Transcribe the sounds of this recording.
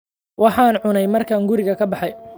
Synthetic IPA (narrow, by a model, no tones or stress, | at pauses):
wɑħɑːnʕʊnɛjmɐrkʰɐŋɡʊɾɪɣɐkʰɐbɑħɑj